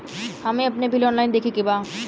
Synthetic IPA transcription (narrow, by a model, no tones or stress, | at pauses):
hɐmẽɐpnebʱɪlɔ̃ːnlaːɪnd̪eːkʰekibaː